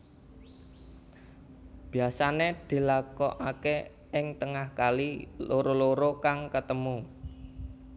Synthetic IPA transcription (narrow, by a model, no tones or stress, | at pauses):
b̥i̤asaned̪̥i̤lakɔʔake | ɪŋt̪əŋahkaliloɾoloɾokaŋkət̪əmu